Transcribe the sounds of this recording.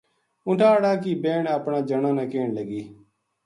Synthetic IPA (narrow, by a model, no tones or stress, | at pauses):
ʊʈʰaːɽaːk̬iːbeːɳəpɳaːd͡ʒəɳãːnãːkeːɳləɡiː